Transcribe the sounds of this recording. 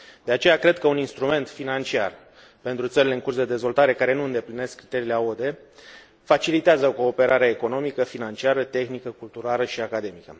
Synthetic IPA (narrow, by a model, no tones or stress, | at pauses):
d̪̥e̞at͡ʃe̞jakɾe̞d̪kəuninst̪ɾume̞nt̪finant͡ʃia̰r | pe̞nt̪ɾut̪səɾile̞ɨŋkursd̪e̞d̪e̞zvo̞lt̪aɾe̞kaɾe̞nuɨnd̪e̞pline̞skːɾit̪e̞ɾiːleod̪e̞ | fat͡ʃilit̪eazəko̞ːpe̞ɾaɾeaeko̞no̞mikəfinant͡ʃiaɾət̪e̞xnikəkult̪uɾaləʃiakad̪e̞mikə̰